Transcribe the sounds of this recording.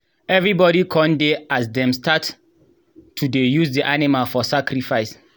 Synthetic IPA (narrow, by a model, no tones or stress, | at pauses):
ɛvɹibɔɾikʰɔ̃ndeʔasdɛ̃mstat | tʰːudejusdiʔanimalfɔsakɾifaɪs